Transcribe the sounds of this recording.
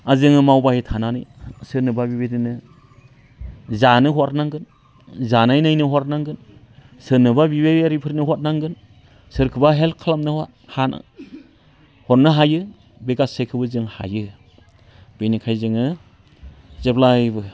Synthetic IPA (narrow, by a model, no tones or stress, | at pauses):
azɯŋɯmawbahitʰananɯjsɯɾnɯbabibeɾinɯ | zanɯɦɔt̚naŋɡɯn | zanajnajnɯɦɔɾnaŋɡɯn | sɯnɯbabibeaɾipʰɯɾnɯɦɔt̚naŋɡɯn | sɯɾkʰɯbaɦelkʰalamnɯhat̚han̰ | hɔt̚nɯɦajɯ | beɡasekʰɯbɯzɯŋha̰jɯ | b̥enikʰajzɯŋɯ | zeplajbɯ